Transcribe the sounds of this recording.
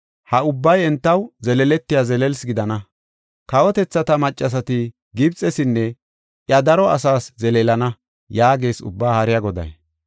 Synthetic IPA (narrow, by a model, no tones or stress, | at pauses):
hɐʊbːɐjɛnt̪ːɐwzɛlɛlɛt̪ːɪjazɛlɛlsɡɪd̪ɐnɐ | kɐwɔt̪ɛt͡sːɐt̪ɐmɐt͡ʃʼːɐs̬ɐt̪ɪ | ɡɪbt͡sʼɛsɪnːɛ | ʔjɐd̪ɐɾɔɐsaːszɛleːlɐnɐ | jaːɡeːsʊ̰bːaːhɐɾɪjɐɡɔd̪ɐ̰j